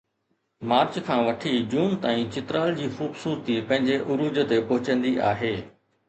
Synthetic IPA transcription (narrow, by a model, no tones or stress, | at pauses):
maːɾt͡ɕkʰãːʋɐʈʰid͡ʑuːnt̪aːĩt͡ɕɪt̪ɾaːld͡ʑiːxuːbsuːɾt̪ipɐ̃ɦɪ̃ɲd͡ʑeʔʊɾuːd͡ʑt̪epɐɦʊt͡ɕə̃nd̪iʔaːɦeː